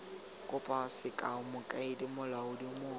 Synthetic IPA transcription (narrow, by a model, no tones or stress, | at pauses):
kʼʊpʼaʊsɪkʼaʊmʊkʼaɪdimʊlaʊdimʊː